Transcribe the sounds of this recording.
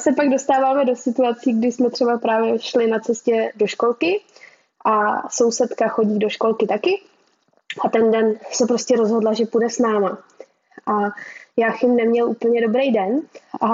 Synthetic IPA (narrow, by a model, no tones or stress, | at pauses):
sɛpaɡdo̞st̪aːvaːmɛdo̞sɪt̪uat͡siːɡdɪsmɛt̪r̥ɛbapɾaːvjɛʃlɪnat͡sɛscɛdo̞ʃko̞lkɪ | ʔaso̞wsɛt̪kaxo̞ɟiːdo̞ʃko̞lkɪt̪akɪ | ʔat̪ɛndɛnsɛpɾo̞scɛɾo̞zɦo̞dlaʒɛpudɛsnaːma | ʔajaːxɪmnɛmɲɛlʔuːpl̩ɲɛdo̞bɾejdɛnʔa